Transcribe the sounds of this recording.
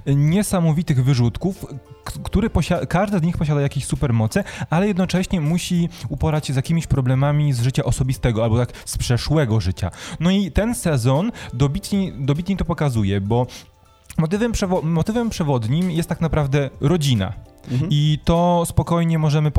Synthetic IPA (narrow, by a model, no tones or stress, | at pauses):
ɲɛsamɔvʲit̪ɘɣvɘʐut̪kufkt̪uɾɘpɔɕakaʐd̪ɘzɲixpɔɕ̬ad̪ajakʲeɕsupɛɾmɔt̪sɘalɛjɛd̪nɔt͡ʂɛɕɲɛmuɕiupɔɾat͡ɕːzjakʲimʲiɕpɾɔblɛmamʲizʐɘt͡ɕaʔɔsɔbʲist̪ɛɡɔalbɔt̪ak | spʂɛʂwɛɡɔʐɘt͡ɕa̰nɔit̪ɛnsɛzɔnd̪ɔbʲit̪ɲed̪ɔbʲit̪ɲit̪ɔpɔkazujɛbɔ | mɔt̪ɘvɛmpʂɛvɔːɔt̪ɘvɛmpʂɛvɔd̪ɲimjɛst̪ːaknapɾavd̪ɛɾɔd͡ʑina̰it̪ɔspɔkɔjɲɛmɔʐɛmɘ